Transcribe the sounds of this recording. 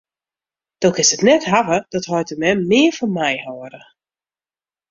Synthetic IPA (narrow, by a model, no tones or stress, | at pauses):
d̥okɪnsətnɛtɦavəd̥ɔthɔjtəmɛmːɪːərfɔnmɛjhɔːɾə